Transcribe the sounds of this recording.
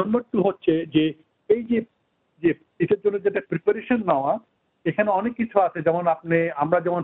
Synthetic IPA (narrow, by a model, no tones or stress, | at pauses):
ɔnboɾʈuɦotːɕʰed͡ʑe | ejd͡ʑe | d͡ʑe | iʈeɾd͡ʑonːod͡ʑeʈepɾipaɾeʃonːaoa | ekʰaneɔnekːit͡ɕʰuat͡ɕʰed͡ʑɛmonap̚neamɾad͡ʑɛmon